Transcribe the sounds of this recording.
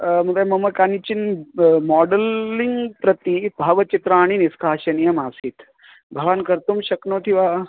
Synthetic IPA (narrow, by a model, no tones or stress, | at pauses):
mɐd̪amɐmɐkanit͡ɕinmɔɖəlːiŋɡpɾət̪ibʱaʋət͡ʃit̪ɾaːɽ̃iniskʰaːɕɐnijɐmaːsiːt̪ | bʱɐʋankɐɾt̪umɕɐknoʈ̪ʰiʋa